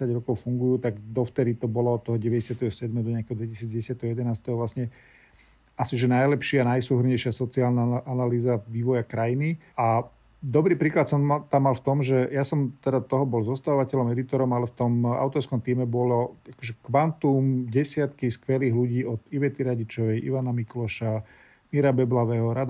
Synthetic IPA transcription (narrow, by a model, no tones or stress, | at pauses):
ɛsaɟɾɔkɔʊfuŋɡujuːt̪aɡd̪ɔft̪ɛɾit̪ɔbɔlɔɔt̪ːɔɦɔɟɛʋɛɟɛsɪat̪ɛɦɔsɪɛd̪mɛːɦɔd̪ɔɲɛakɛɦɔd̪ʋɛcisiːd͡zɟɛɛsɪat̪ɛɦɔjɛd̪ɛnaːst̪ɛɦɔʋlasɲɛ | asiʒɛnajlɛpʃɪanajsuːɦr̩ɲɛjʃɪasɔt͡siaːlnaʔanaliːzaʋiːʋɔjakɾajini | a | d̪ɔbɾiːpɾiːklat̪sɔmt̪amːalft̪ɔmʒɛjasɔmt̪ɛd̪at̪ɔɦɔbɔlzɔst̪aʋɔʋacɛʎɔmɛd̪it̪ɔɾɔmalɛft̪ɔma̰ʊt̪ɔɾskɔmt̪iːmɛbɔlɔakɔʒɛkʋant̪umɟɛsɪat̪kiskʋɛliːɣluɟiːɔd̪iʋɛt̪iɾaɟit͡ʃɔʋɛjʔḭʋanamiklɔʃa | miɾabɛblaʋɛːɦɔɾad̪